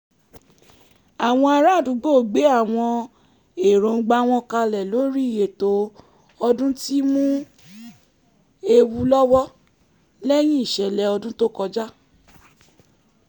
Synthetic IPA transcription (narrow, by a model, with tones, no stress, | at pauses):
a˨w̃ɔ̃˧a˧ɾa˦˨dũ˨˦ɡ͡bo˦˨ɡ͡be˨˦a˦˨w̃ɔ̃˧ | e˨ɾõ˨ŋ̩˦ɡ͡ba˧˦w̃ɔ̃˧ka˧lɛ˨lo˨˦ɾi˦˨je˨to˨˦ | ɔ˧dũ˦ti˦mũ˦ | e˧wu˧lɔ˦wɔ˦ | lɛ˦j̃ĩ˦i˦˨ʃɛ˨lɛ˧ɔ˧dũ˦to˦kɔ˧d͡ʒa˦